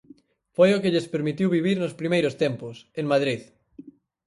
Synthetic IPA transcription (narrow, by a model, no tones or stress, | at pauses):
fojʊkeʎespeɾmit̪iwβiβ̞iɾnospɾimejɾʊst̪ɛmpʊseŋmað̞ɾið